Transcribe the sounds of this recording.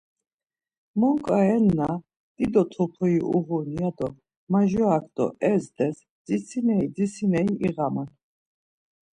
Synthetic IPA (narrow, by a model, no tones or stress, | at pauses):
mɔŋkʼaɛnːa | d̪̥ʼid̪ɔt̪ʰɔpʰɔiʔṵʁuniad̪ɔ | maʒɔakʰd̪̥ɔ̰ʔɛzd̪ɛs | d͡zisʰinɛid͡zisinɛiʔiʁaman